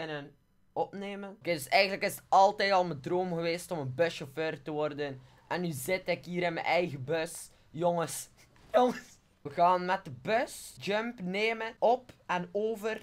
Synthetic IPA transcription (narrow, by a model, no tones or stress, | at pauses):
ənən | ɔpneːmənkedɵsɛjɣəndələkɪsətɑlˠtɛjtɑlˠmədroːmɣəʋeːstɔmənbøʃoføːrtəʋɔrdən | ʔɛnːyzɪtɪkɦiːɾɪnmə̰nʔɛjɣəbøs | jɔŋəs | jŋs | əɣaːnmɛt̚dəbøsd͡ʒømpneːmənʔɔpɛnoːvər